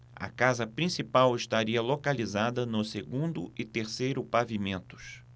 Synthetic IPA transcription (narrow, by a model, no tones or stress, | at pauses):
ɐ̰kazɐpɾĩsipawɪʃt̪aɾiɐlokalizad̪ɐnʊseɡũnd̪ʊɪt̪eɾsejɾʊpavimẽnt̪ʊ̥s